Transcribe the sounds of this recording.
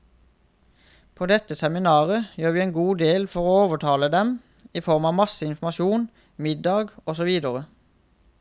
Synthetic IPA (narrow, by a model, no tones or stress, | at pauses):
pʰoːd̪ɛt̪əsɛmɪnɑːʁəjøːʁʋiːeːnɡuːd̪eːlfɔʁoːoːʋəʈʰɑːləd̪ɛm | iːfɔʁmɑːʋmɑsəɪnfm̩ɑʃuːn | mɪd̪ɑːɡɔsɔʋiːd̪əʁə